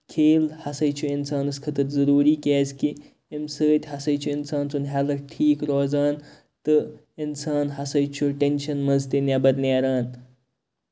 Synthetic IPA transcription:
kʰeːlhɐsɐjt͡ʃʰuɪnsaːnɨskʰɐt̪ɐɾzɐɾuːɾiːkeːzki | imsəːt̪ʲhɐsɐjt͡ʃʰuɪnsaːnsunɦɛlɐɾʈʰiːkɾoːzaːn | t̪ɨ | ɪnsaːnɦɐsɐjt͡ʃʰuʈenʃɐnmɐzt̪inabɐɾneːɾaːn

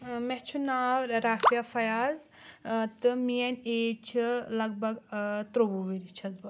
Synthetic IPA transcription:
mɛht͡ʃʰunaːwɾɾaːfijafɐjaːz | t̪ɨmijɐnʲeːt͡ʃʰlɐɡ̚bɐɡt̪ɾobuʋiɾit͡ʃʰɐzbɐ

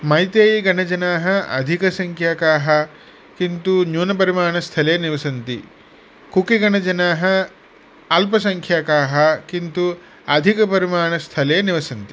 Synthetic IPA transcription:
mɐjt̪eːjiɡʱɐɳɐd͡ʒɐnaːɦɐɐ̰d̪ʱikɐsɐŋkʰjaːkaːɦɐ | kint̪unjuːnɐpɐɾimaːɳɐst̪ʰɐleːniʋɐsɐnt̪ḭ | kukiɡɐɳɐd͡ʒɐnaːɦɐ̆ | ɐlpɐsɐŋkʰjaːkaːɦɐkint̪u | ɐd̪ʱikɐpɐɾimaːɳɐst̪ʰɐleːniʋɐsɐnt̪i

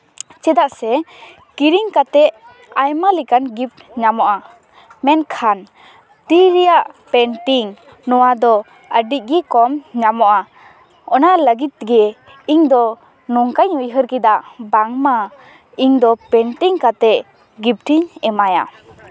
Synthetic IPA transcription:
t͡ʃɛd̪aʔsɛ | kiɾiŋkat̪ɛʔ | ajmalikanɡip̚ɲamɔʔa | mɛnkʰan | t̪iɾijaʔpɛnʈiŋ | nɔwad̪ɔ | əɖic̚ɡikɔmɲamɔʔa | ɔnaləɡit̪̚ɡɛ | iŋd̪ɔ | nɔŋkajujɦəɾkid̪aʔbaŋma | iŋd̪ɔpɛnʈiŋkat̪ɛʔ | ɡip̚ʈʰiɲɛmaja̰

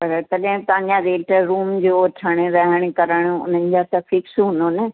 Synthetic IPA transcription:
pɐɾt̪ɐɗɦɪ̃t̪ɐ̃ɦãɲd͡ʑãɾeːʈəɾuːmd͡ʑoːʈʰəɽ̃eɾɐɦəɽ̃̆kɐɾəɽ̃uʊn̤ənɪd͡ʑasɐfʰɪksɦʊ̃nd̪one

